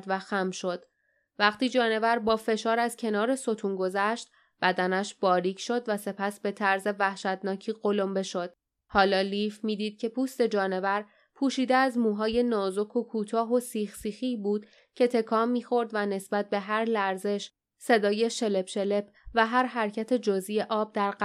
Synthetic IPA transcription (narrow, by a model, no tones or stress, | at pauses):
d̪væxæmʃo̞d̪̥ | væɣt̪iːd͡ʒɒːne̞væɾbɒːfe̞ʃɒːɾæzcʰe̞nɒːɾe̞so̞t̪ʰuːnɡo̞zæʃt̪̚ | b̥æd̪ænæʃb̥ɒːɾiːcʰʃo̞d̪væse̞pʰæsbe̞t̪ʰæɾze̞væhʃæt̪nɒːcʰiːɢo̞lo̞mbe̞ʃo̞d̪̥̚ | hɒːlɒːliːfmiːd̪iːd̪̥̚cʰe̞pʰuːst̪e̞d͡ʒɒːne̞væɾ | pʰuːʃiːd̪eæzmuːɦɒːje̞nɒːzo̞kʰo̞kʰuːt̪ʰɒːɦo̞siːxsiːxibuːd̪̥ | cʰe̞t̪ʰe̞kʰɒːmːiːxo̞ɾd̪væne̞sbæt̪̚be̞ɦæɾlæɾze̞ʃ | se̞d̪ɒːje̞ʃe̞le̞pʃe̞le̞p̚ʰ | væɦæɾɦæɾcʰæt̪ʰe̞d͡ʒɒzije̞ʔɒːb̚d̪æɾɢ